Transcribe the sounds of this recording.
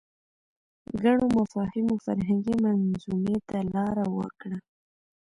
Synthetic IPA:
ɡaɳomafɑhɪmofa̰ɾɦaŋɡimanzumet̪alɑɾawə̰kɽa

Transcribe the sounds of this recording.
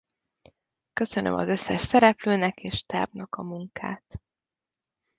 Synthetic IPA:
kø̞sø̞nø̰mʔɒ̰zø̞sːɛʃsɛɾɛpløːnɛkeːʃt̪a̰ːbnɒkɒmuŋkʰa̰ːt̪

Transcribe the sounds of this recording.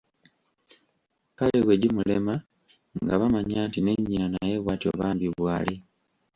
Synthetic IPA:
kaleɣweɟimulema | ŋɡaβamaɲaːntine̞ɲːinanajeβwaːtio̰βaːmbiβwaːli

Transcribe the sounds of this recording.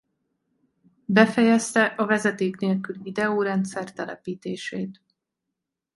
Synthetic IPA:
bɛfɛjɛst̪ɛʔɒvɛzɛt̪eːkneːlkylvid̪ɛoːɾɛnt̪sɛrt̪ɛlɛ̰piːt̪eːʃeːt̪

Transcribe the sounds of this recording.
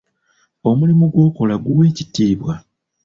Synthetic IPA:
o̞mulimuɡwo̞ːko̞laɡuwe̞ːcitiːβwa

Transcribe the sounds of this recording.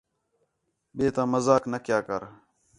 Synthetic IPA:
ɓeːt̪ãːməzaːknəkjaːkəɾ

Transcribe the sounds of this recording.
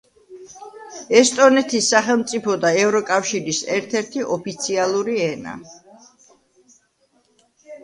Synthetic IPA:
ɛst̪ʼɔnɛt̪ʰisːaχɛlˠmt̪sʼipʰɔd̪aɛvɾɔkʼafʃiɾisɛɾt̪ʰɛɾt̪ʰiʔɔpʰit̪sʰialˠuɾiɛna̰

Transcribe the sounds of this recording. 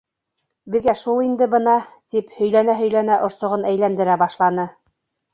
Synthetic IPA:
bɘ̆ðɡæʃulˠind̪ɘbɤ̆nɑt̪iphɵ̆jlænæɦɵ̆jlænæʔŏɾsŏʁɤnæjlænd̪ɘ̆ɾæbɑʃlˠɑnɤ

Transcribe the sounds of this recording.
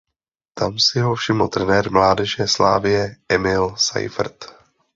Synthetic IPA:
t̪amsɪɦofʃɪml̩t̪ɾɛnɛːɾmlaːdɛʒɛsla̰ːvɪjɛʔɛmɪlsa̰jfrt̪

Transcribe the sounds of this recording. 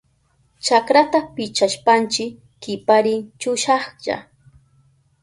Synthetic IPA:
t͡ʃakɾat̪apɪt͡ʃaʃpant͡ʃɪ | kːɪpaɾɪt͡ʃʊʃɑχʎa̰

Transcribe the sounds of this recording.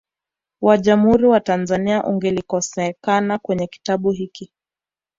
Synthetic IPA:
waʄam̩huɾiwatanzaniaʔuŋɡɛlikɔsɛkanakwɛɲɛki̥taɓuɦiki

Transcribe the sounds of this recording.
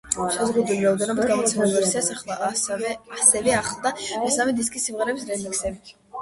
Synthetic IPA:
ʃazʁud̪wiliɾaɔd̪ɛnɔbit̪̚ɡamɔt̪sʰɛmɛbuɾisɛsaχlˠavasd̪ɛbiaχlˠd̪amɛsamɛd̪iskʼisːimʁɛɾɛbisɾɛmɛksɛbi

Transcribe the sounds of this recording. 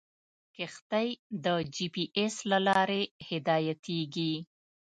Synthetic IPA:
kɪxt̪ajd̪əd͡ʒipiʔeslalɑɾehɪd̪ɑjat̪ʰeɡi

